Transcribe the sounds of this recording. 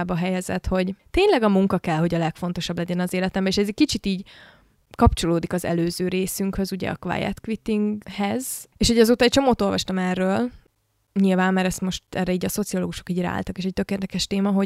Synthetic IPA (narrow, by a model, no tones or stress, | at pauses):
bɒɦɛjɛzɛ̰t̪ho̞ɟt̪eːɲlɛɡɒmuŋkɒkɛlho̞ɟɒlɛkfo̞n̪t̪o̞ʃɒblɛɟɛnɒzeːlɛt̪ɛmbɛeːʃɛzɛc̚kit͡ʃit̪iːɟ | kɒpt͡ʃo̞loːd̪ikɒzɛ̰løːzøːɾeːsyŋkhø̞zuɟɛ̰ɒ̰kva̰jɛ̰t̪kʋit̪iŋɡhɛzeːʃhoɟɒzoːt̪ɒɛc̚t͡ʃo̞moːt̪o̞lvɒʃt̪ɒmɛrːøːl | ɲilvaːnːɛɾɛst̪mo̞ʃt̪ɛ̰rɛiːɟɒso̞t̪sioloːɡuʃo̞̥kiːɟɛ̰a̰ːlt̪ɒkeːʃɛc̚t̪ø̞keːrd̪ɛkɛʃt̪eːmɒɦo̞